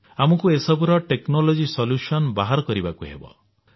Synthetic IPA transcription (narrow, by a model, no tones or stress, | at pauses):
amɔkuesɔbuɾɔʈeknolod͡ʒisɔlusɔnbaɦaɾɔkɔɾibakuɦḛbɔ̰